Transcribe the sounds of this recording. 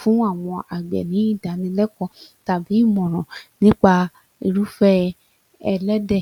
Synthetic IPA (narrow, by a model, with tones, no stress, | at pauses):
fũ˨˦a˦˨w̃ɔ̃˧a˨ɡ͡bɛ̰˨nĩ˨˦i˦˨da˨˦nĩ˧lɛ˦kɔ̃˧˦ta˨bi˨˦i˦˨mɔ̃˨ɾ̃ɔ̃˨nĩ˦k͡pa˧ | i˧ɾu˦fɛ˦ | ɛ˧lɛ˦dɛ˦˨